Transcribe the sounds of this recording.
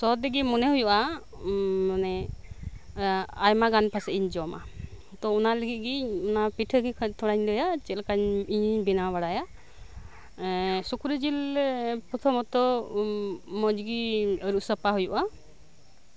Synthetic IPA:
sɔd̪ɛɡimɔnɛɦujuʔa | anɛ | ajmaɡanpʰasɛʔiɲd͡ʒɔma̰ | hut̪ɔɔnaləɡit̪̚ˀɡiɔnapiʈʰəɡikʰt̪ʰɔɽaɲlɔjat͡ʃɛlkaɲiɲbinabaɽaja | sukuɾid͡ʒilpɔt̪ʰɔmɔt̪ɔ | mɔd͡ʒɡiəɾuʔsəpaɦujuʔa

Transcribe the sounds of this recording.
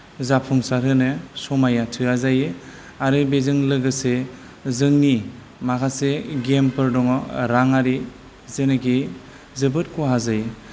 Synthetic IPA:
zapʰuŋsaɾɯnɯsɔmajatʰɯɾazajɯ | aɾɯbezɯŋlɯɡɯse | zɯŋni | makʰaseɡempɯɾdɔŋɔɾaŋaɾi | zenɯki | zɯbɯt̚kɔɦazaj

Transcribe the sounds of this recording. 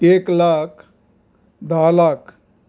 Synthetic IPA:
eːklaːkʰ | d̪aːlaːkʰ

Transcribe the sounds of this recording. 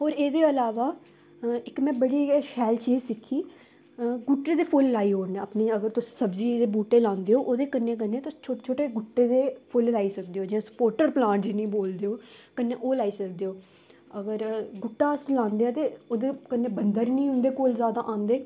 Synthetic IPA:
ɦoːɾeːd̪eːəlaːʋaː | ɪkmɛ̃ːbəɽiːʃɛːlt͡ʃiːzsɪkʰːiː | ɡʊʈːeːd̪eːpʰʊlːaːiːɦoːɾnẽəpniːəɡəɾt̪ʊsĩ̥ːsəbziːd̪eːbuːʈːeːlãːnd̪eːoːʔoːd̪eːkənːeːk̬ənːeːt̪ʊ̥t͡ʃʰoːʈːt͡ʃʰoːʈeːɡʊʈːeːd̪eːpʰʊllaːiːsəkd̪eːoːd͡ʒɪjãːsə̥poːɾʈəɾplãːɳʈd͡ʒiːnĩːboːld̪eːoːkənːeːʔoːlaːiːsəkd̪eːoː | əɡəɾɡʊʈːaːslãːnd̪eãːt̪eːoːd̪eːkənːeːbənd̪əɾnĩːɦʊnd̪eːkoːlzjaːd̪aːʔãːnd̪eː

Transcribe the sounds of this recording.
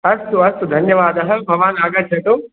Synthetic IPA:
ɐst̪uɐst̪ud̪ʱɐnjɐʋaːd̪ɐɦɐ̆bʱɐʋaːnaːɡɐt͡ʃʰːɐʈu

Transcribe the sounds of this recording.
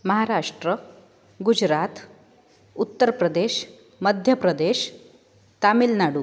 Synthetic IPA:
məɦaɾaʂʈɾə | ɡud͡ʑɾat̪ | ut̪ːəɾpɾəd̪eɕ | məd̪ʱjəpɾəd̪eɕ | t̪amilnaɽu

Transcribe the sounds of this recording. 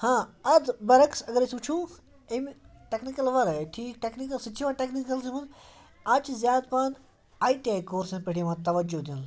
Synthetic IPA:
hãːɐd̪bɐɾɐksɐɡɐɾesuːt͡ʃʰũː | emʈeknikɐlʋɐɾeʈʰiːkʈeknikɐlsɐt͡ʃʰiʋaːʈeknikɐlzimunz | ɐt͡ʃzjaːd̪paːn | aːiʈiaːkoːɾsẽpɐɽiʋãːt̪ɐʋɐd͡ʒod̪in

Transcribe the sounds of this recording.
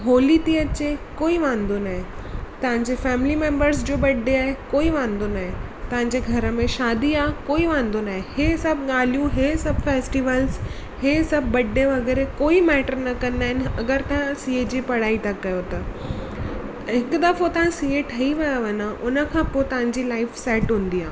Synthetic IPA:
ɦoːlit̪iɐt͡ɕekoːiʋãːnd̪onaːɦet̪ɐʋ̤ãɲd͡ʑefɛːmɪlimẽːmbəɾsd͡ʑoːbɐɖːeaːɦekoːiʋãːnd̪onaːɦet̪ɐɦãɲd͡ʑeɡʱɐɾəmẽʃaːd̪iaːkoːiʋãːnd̪onaːɦeheːsɐbʱɠaːl̤ijũɦeːsɐbfeːsʈiʋəls | heːsɐb̚ʱbɐɖːẽʋɐɡɛːɾekoːimɛːʈəɾnɐkɐ̃nd̪aːɦɪnɐɡəɾt̪ɐɦãsiːed͡ʑipɐɽaːit̪ɐkːɐjot̪ɐ | ɦɪkd̪ɐfot̪ɐʋ̤ãsiːeʈʰɐiʋɐjaʋɐnãʔʊnə̆kʰãpoːet̪ɐʋ̤ãɲd͡ʑilaːɪfsɛːʈɦũːn̆d̪iaː

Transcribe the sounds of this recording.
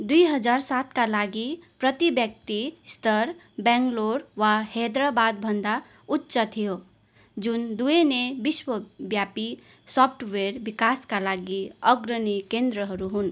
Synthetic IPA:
d̪ujɦʌd͡zaɾsat̪kalaɡiprʌt̪ibjʌk̚t̪ist̪ʌɾ | baŋɡloɾwahed̪ɾʌbad̪̚bʱʌnd̪a | utːsʌt̪ʰijo | d͡zund̪uenebiswʌbjapi | sɔpʰʈʰweɾbikaskalaɡiʌɡɾʌnikend̪ɾʌɦʌɾuɦun

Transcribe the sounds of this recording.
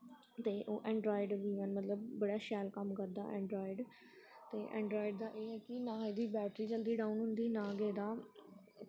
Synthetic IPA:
t̪eːʔoːʔɛ̃ːɳɖɾoːɪɖʋiːʋənmət̪ləb̚ːəɽaːʃɛːlkəmkəɾd̪a̰ːʔɛ̃ːɳɖɾoːɪɖ | t̪eːʔɛ̰̃ːɳɖɾoːɪɖd̪aːʔeːɦɛːkɪnãːeːd̪iːbɛːʈɾiːd͡ʒəld̪iːɖaːũːnɦʊ̃nd̪iːnãːɡeːd̪aː

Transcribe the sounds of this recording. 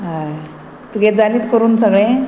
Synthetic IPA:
ɦaj | t̪uɡet̪̚d͡zaliːt̪kəɾuːnsəɡɭẽ

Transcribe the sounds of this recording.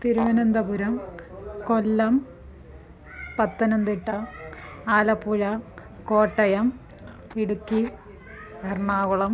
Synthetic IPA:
t̪iɾuɣɐnɐnd̪ɐpuɾɐmkolːɐm | pɐt̪ːɐnɐnd̪iʈːɐ | aːlɐpːuɻɐ | koːʈːɐjɐm | iɽukʲːi | ɐrɳaːɣuɭɐm

